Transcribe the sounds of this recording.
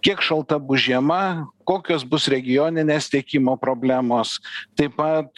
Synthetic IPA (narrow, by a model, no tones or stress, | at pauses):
kʲiɛkʃɐlˠt̪ɐbʊʒʲiɛmɐkoːkʲoːsbʊsɾʲɛɡʲɪjoːnʲɪnʲeːst̪ʲiɛkʲimoːpɾoːbʲlʲæːmoːst̪ɐɪpɐt̪̚